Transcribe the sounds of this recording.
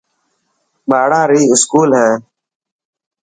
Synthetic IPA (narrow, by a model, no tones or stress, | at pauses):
baːɽãːɾiːɪskuːlɦɛ̃ː